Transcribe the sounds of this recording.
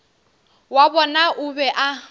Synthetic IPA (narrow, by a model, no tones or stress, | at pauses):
wabɔnaʔʊbɛʔa